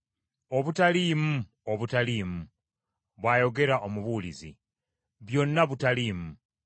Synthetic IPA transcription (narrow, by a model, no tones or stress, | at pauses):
oβutalimu | oβutaliːmu | βwaːjo̞ɡe̞ɾaʔomuβuːlizḭ | βjo̞nːaβutaliːmu